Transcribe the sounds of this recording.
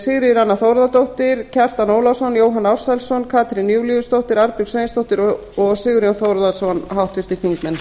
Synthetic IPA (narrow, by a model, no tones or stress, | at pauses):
sɪɣɾɪɾanːaθowɾðat̪owht̪ɪɾ̥cʰɛr̥t̪anoːwlasɔnjoːwɦanːawɾ̥sɛlsɔnkʰaːt̪ɾɪnːjuːwliʏst̪owht̪ɪɾaɾpilsejnst̪owht̪ɪɾɔ | ɔɣsɪɣʏɾjɔwnθowɾðasɔnɦawht̪vɪɾ̥t̪ɪɾ̥θiŋk̪mɛn